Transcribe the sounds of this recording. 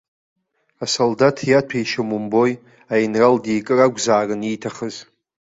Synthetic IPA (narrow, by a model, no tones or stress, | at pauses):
asoldatʰjatʷʰejʃomumbo̞j | ajnraldejkʼɨraɡʷzaːrɨnitʰaχəz